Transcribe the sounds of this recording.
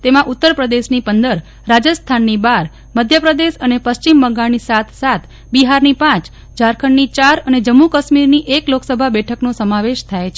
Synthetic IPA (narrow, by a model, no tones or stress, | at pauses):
t̪emãʔut̪ːəɾpɾəd̪eʃnipənd̪əɾ | ɾad͡ʒəst̪ʰanːibaɾ | məd̪ʱjəpɾəd̪eʃənepəst͡ʃimbəŋɡañisat̪ʰsat̪ʰ | biɦaɾnipãt͡ʃ | d͡ʒaɾkʰəɳːit͡ʃaɾəned͡ʒəmːukəʃmiɾniʔekloksəbʱabɛʈʰəknõsəmãʋeʃt̪ʰajet͡ʃʰe